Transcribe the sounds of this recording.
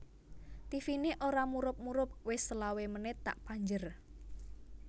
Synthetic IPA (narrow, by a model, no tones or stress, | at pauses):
t̪ifineʔoɾamuɾʊp̚muɾʊp̚wɪsəlawemənɪt̪a̰ʔpaɲd͡ʒər